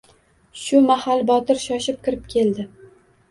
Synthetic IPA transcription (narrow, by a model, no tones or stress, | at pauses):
ʃʊmahalbɒt̪ɪɾʃɒʃɪp̚kʲʰɪɾɪp̚kʲʰe̞ld̪ɪ